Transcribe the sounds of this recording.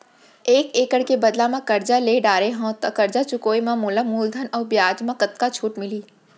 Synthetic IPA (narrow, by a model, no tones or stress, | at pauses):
eːkeːkəɽkebɐd̪lamãkɐɾd͡ʒaleːɖaːɾeɦõːt̪ɐkɐɾd͡ʒat͡ʃʊkoːimãmuːləmuːld̪ʱənɔːɾbjaːd͡ʒmãkɐt̪̚kat͡ʃʰuːʈmɪliː